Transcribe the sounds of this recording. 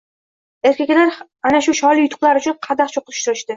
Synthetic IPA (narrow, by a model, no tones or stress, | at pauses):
e̞ɾkʲekʲlaɾ | anaʃʊʃɒlijʊt̪ʰʊ̥qlˠaɾʊt͡ʃʰʊnqʰɑd̪ɑqt͡ʃʰoqɨt̪ʰɪ̥ʃt̪ʊɾɪʃt̪ɪ